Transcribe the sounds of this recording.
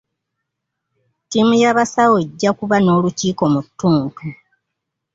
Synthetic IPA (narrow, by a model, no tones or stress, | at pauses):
timujaβasaweɟːakuβano̞ːluciːko̞mutːuːmku